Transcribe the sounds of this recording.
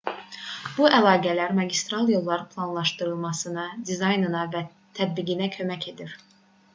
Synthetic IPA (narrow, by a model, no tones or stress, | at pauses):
b̥uʔælˠɑːɡælæɾmɑɟist̪ɾɑlˠjo̞lˠːɑɾɯpʰlˠɑnlˠɑʃt̪ɯɾɯlˠmɑsɯnɑd̪izɑjnɯnɑvæ | t̪ʰæd̪̚biɡinæcʰø̞mæcʰe̞d̪iɾ